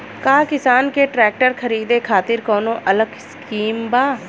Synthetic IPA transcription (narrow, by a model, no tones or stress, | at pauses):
kaːkɪsaːnkeʈɾɛːk̚ʈəɾkɐɾiːd̪ekʰaːt̪ɪɾkɔːnõʔɐləɡskiːmbaː